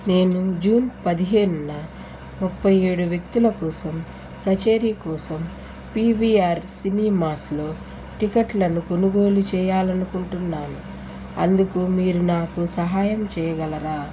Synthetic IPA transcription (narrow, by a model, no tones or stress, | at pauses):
ne̞ːnud͡ʒuːnpɐd̪iɦe̞ːnunɐ | mupːɐjeːɽuʋjek̚t̪ulɐkɔːsɐm | kɐt͡ʃeːɾiːkɔːsɐm | pibiaːɾsiniːmaːslo̞ː | ʈikɐʈlɐnuko̞nuɡo̞ːlut͡ʃɛːjaːlɐnukuɳʈunːaːnu | ɐnd̪ukumiːɾunaːkusɐɦaːjɐmt͡ʃɛːjɐɡɐlɐɾaː